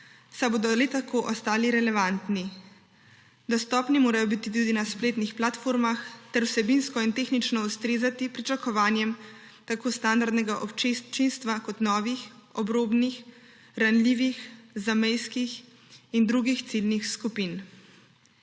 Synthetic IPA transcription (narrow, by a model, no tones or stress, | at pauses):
saboːd̪ɔlɛt̪akoːʔɔst̪aːliɾɛlɛʋant̪ni | d̪ɔst̪ɔːpnimoːɾajɔbit̪it̪ud̪inaspleːt̪nixplat̪foːɾmaxt̪ɛɾwsɛbinskɔint̪exnit͡ʃnɔust̪ɾeːzat̪ipɾit͡ʃakɔʋaːnjɛm | t̪akoːst̪and̪aɾd̪nɛɡaʔɔpt͡ʃit͡ʃinst̪ʋakɔt̪nɔːʋixɔbɾoːbnix | ɾanliːʋixzamɛjskix | ind̪ɾuɡixt̪silnixskupin